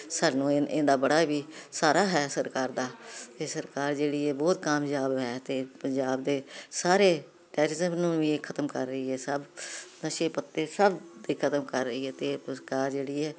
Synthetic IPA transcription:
saːnũːɪ̃nd̪aːbəɽaːʋiːsaːɾaːɦɛːsəɾkaːɾd̪aːt̪eːsəɾkaːɾd͡ʒeːɽiːɛːbɔːt̪kaːmjaːbɦɛːt̪eːpəɲd͡ʒaːb̚d̪eːsaːɾeː | ʈɛːɾɪzəmnũːʋiːkʰət̪əmkəɾːəiːɦɛːsəbnəʃeːpət̪ːeːsəbd̪iːkʰət̪əmkəɾːəiːɦɛːt̪eːəɾkaːɾd͡ʒeːɽiːɛː

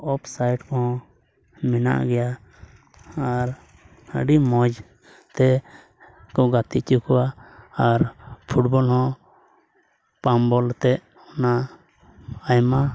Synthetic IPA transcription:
ɔpsajʈkɔɦɔ̃ | mɛna̰ʔɡɛja | aɾ | ə̰ɖimɔd͡ʒ | t̪ɛ | kɔɡat̪it͡ʃukuwaaɾpʰuʈbɔlhɔ̃ | pambɔlt̪ɛʔ | ɔna | jma

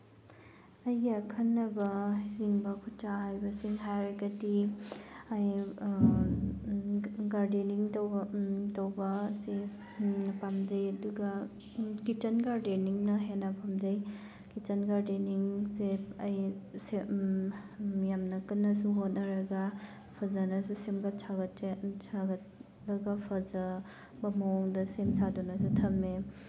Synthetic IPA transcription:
ɐjɡekʰɐnːɐbɐiziŋbɐkʰutt͡ʃaɦajbɐsiŋɦajɾɐɡɐdi | aj | ɡaɾdiniŋt | tɐwbɐse | pamzɐjɐduɡɐ | kit͡ʃɐnɡaɾdeniŋnɐɦenːɐpʰamd͡ʒɐj | kit͡ʃɐnɡaɾdiniŋsepɐjse | jamnɐkɯnːɐsuɦot̚nɐɾɐɡa | pʰɐzanɐsusemɡɐt͡ʃʰaɡɐtt͡ʃʰaɡɐt̚ | lɐɡapʰɐzɐ | bɐmoŋdɐsemsʰadunɐsutʰɐme

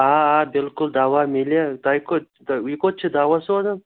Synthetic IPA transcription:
aːbɪlkʊld̪awamelʲet̪ajko | wikot̪̚t͡ʃʰid̪awaswad̪ɐm

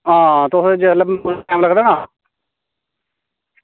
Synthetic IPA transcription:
ɦãːt̪ʊsd͡ʒət̪ləbbʊãːləɡd̪aːnaː

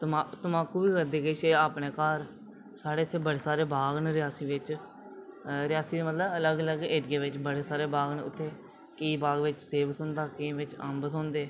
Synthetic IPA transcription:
t̪at̪əmaːkuːbiːkəɾd̪eːɡəiːʃeːaːpneːkaːɾ | saːɽeːʊt̪ʰːeːbəɽeːsaːɾeːbaːɡnɾɪjaːsiːʋɪt͡ʃ | ɾɪjaːsiːd̪mət̪ləbələɡələɡeɖɡeːʋɪt͡ʃbəɽeːsaːɾeːbaːɡnʊ̰t̪ʰːeː | kiːbaːɡʋɪt͡ʃseːbət̪ɦʊ̃ːnd̪aːkiːʋɪt͡ʃə̰mbət̪ʰɦɔ̃ːnd̪eː

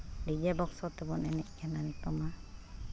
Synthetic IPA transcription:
did͡ʒɛbɔksɔt̪ɛbɔnɛnɛʔkʰɛnant̪ɔma

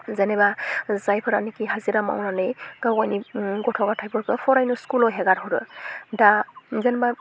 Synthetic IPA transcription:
zɛnɛbazajpʰɯɾanikiɦaziɾama̰wnanɯjɡ̥awkajniɡɔtʰɔɡatʰajbɔɾkɯpʰɔɾajnuskulɔjɦɛɡaɾɦɔɾɯ̰dazɛnɛba

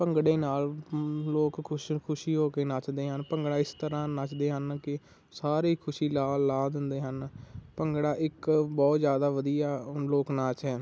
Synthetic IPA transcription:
pəŋɡɽeːnaːlloːkʰʊkʰʊʃiːɦoːkeːnaːt͡ʃd̪eːɦənpəŋɡɽaːɪst̪əɾãːnaːt͡ʃd̪eːɦənkɪ | saːɾeːkʰʊʃiːlaːlːaːd̪ɪnd̪eːɦənpəŋɡɽaːʔɪkbɔːt̪zjaːd̪aːʋəd̪ijaːloːknaːt͡ʃɦɛː

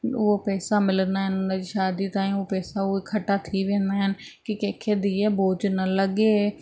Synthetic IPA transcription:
opɛːsaːmɪlnaːɦənʊnãːd͡ʒiːʃaːd̪iːt̪ãːĩːoːpɛːsaːoːkʰəʈaːt̪ʰiːʋẽːnd̪aːɦən | kɪkɛːkʰeːd̪iːɛːboːd͡ʒnələɡeː

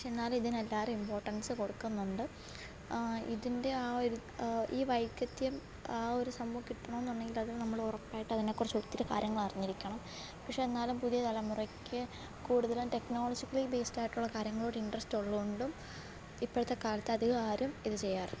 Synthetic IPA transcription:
ʂenːaːlmiðinelːaːðeimpo̞ːrʈːɐnsɨko̞ɽukːunːuɳɖɨ | ḭðinde̞aːoɾu | iːʋɐjkːɐt̪ːjɐm | aːo̞ɾusɐmːuːɐkːiʈːɐɳɐ̃menːuɳːe̞ŋɡiluɐðilnɐmːɐɭurɐpːaːjiʈːɨɐðine̞kːurɐt͡ɕːut̪ːiɾɨka̰ːɾjɐŋːɐɭɐriɲːiɾikʲːɐɳɐm | pɐkʂe̞enːaːlumpuðijɐt̪ɐlɐmurɐkʲʰːɨ | kuːɽuðɐlumte̞kno̞ːlɐd͡ʑikːɐɭibe̞ːstaːjiʈːuɭːɐkaːɾjɐŋːɐɭoːɽɐiɳɖrɐstoɭːɐuɳɖum | ipːoɽɐt̪ːekaːlɐt̪ːeɐðɨaːɾumiðɨt͡ɕe̞jːaːr

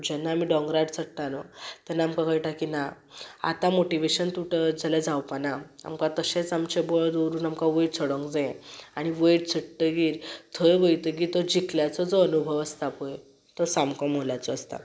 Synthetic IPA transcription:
d͡ʑɛnːaːmiːɖɔ̃ŋɡɾaɖt͡sʰəɽʈ̪anɔt̪ɛnːaːmkãɡəjʈakina | a̰t̪amoʈiʋeɕənt̪uʈəd͡zalad͡zawpanaa̰mkãt̪əɕet͡samt͡ɕebɔɭd̪oɾuːnamkaʋəjʈt͡sʰəɽɔ̃ŋɡd͡zẽaɽ̃iʋəjʈ̚t͡sʰəʈʈəɡiːɾt̪ʰəjɡəjt̪əɡiːt̪ɔd͡ʑikʰljat͡sɔd͡zɔənubʱəʋəst̪apoj | t̪ɔsamkɔ̃molat͡sɔːst̪a̰

